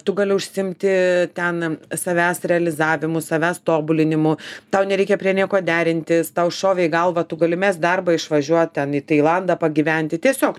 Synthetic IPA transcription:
t̪ʊɡɐlʲɪʊʃʲsʲɪmʲt̪ʲɪt̪ʲɛnsɐʋʲæːsɾʲɛɐlʲɪzɑːʋʲɪmʊsɐʋʲæːst̪oːbʊlʲɪnʲɪmʊt̪ɐʊnʲɛɾʲɛɪkʲɛpʲɾʲiɛnʲiɛkoːd̪ʲæːɾʲɪnʲt̪ʲɪst̪ɐʊʃoːʋʲɛɪɡɐlˠʋɐt̪ʊɡɐlʲɪmʲɛsd̪ɐrbɐɪʃʋɐʒʲuɔt̪̚ʲt̪ʲɛniːt̪ɐɪlˠɐnd̪ɐpɐɡʲɪʋʲɛnʲt̪ʲɪt̪ʲiɛsʲoːk

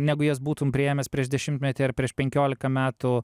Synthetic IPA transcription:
nʲæːɡʊjɛːsbuːt̪ʊmpʲɾʲɪeːmʲɛspʲɾʲiɛʒd̪ʲɛʃʲɪmt̪ʲmʲɛt̪ʲɛɪɾpʲɾʲiɛʃpʲɛŋʲkʲoːlʲɪkɐmʲæːt̪ʊ

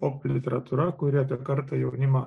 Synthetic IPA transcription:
oplʲit̪eɾat̪uɾakuɾiap̪akaɾt̪əjewnima

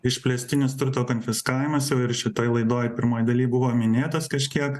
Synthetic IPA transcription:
ɪʃʲpʲlʲɛsʲt̪ʲɪnʲɪst̪ɾʊt̪oːkoːnʲfʲɪskɑːʋʲɪmɐsjɛʊɪɾʃʲɪt̪oːjlˠɐɪd̪oːjpʲɪɾmoːjd̪ɐlʲiːbʊʋoːmʲɪnʲeːt̪ɐskɐʃʲkʲiɛk

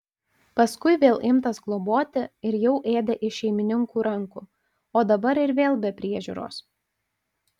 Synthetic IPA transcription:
pɐskʊɪʋʲeːlˠʔɪmt̪ɐsɡlˠoboːt̪ʲɪɪɾjɛʊʔeːd̪ʲɛʔɪʃʲɛɪmʲɪnʲɪŋkuːɾɐŋkuː | oːd̪ɐbɐɾɪɾʋʲeːlˠbʲɛpʲɾʲiɛʒʲṵːɾo̰ːs

